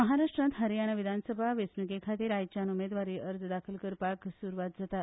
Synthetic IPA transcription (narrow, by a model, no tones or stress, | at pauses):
məɦaɾaʂʈɾãnt̪ɦəɾijanaʋid̪ʱansəbʱaʋesnikekʰat̪iːɾajt͡ɕanumed̪ʋaɾiːʔəɾd͡zd̪akʰəlkəɾpaksuːɾʋat̪̚d͡zat̪at̪